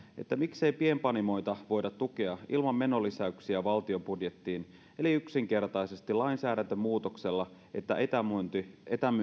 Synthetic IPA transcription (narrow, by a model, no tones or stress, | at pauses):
e̞̰t̪ːæmikse̞jpiempɑnimo̞jt̪ɑʋo̞jdɑt̪ːukeɑʔḭlmɑmːe̞nolːisæyksiæʋɑlt̪io̞pudje̞t̪ːiːn | e̞liyksiŋke̞rt̪ɑjse̞st̪ilɑinsæːdænt̪ømːuːt̪okse̞lːɑʔe̞t̪ːæ̰et̪ænt̪iet̪æm